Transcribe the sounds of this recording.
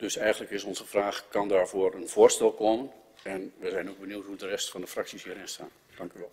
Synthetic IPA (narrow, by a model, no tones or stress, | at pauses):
d̥øsɛjɣənləkɪsɔnzəfraːxkɑndaːɹvoərənv̥ʊərstɛlˠkomən | ɛnʋəzɛjnowɡ̚bəniwtɦudərɛstfɑndəfraksishiəɾɪnsta̰ːn | d̥ɑŋkyʋɛlˠ